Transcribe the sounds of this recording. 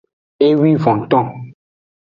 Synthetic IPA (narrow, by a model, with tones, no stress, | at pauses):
e˦wi˦vɔ̃˨t̪ɔ̃˦